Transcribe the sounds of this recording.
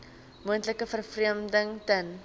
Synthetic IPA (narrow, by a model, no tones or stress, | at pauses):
muəntləkəfərfriəmdəŋtən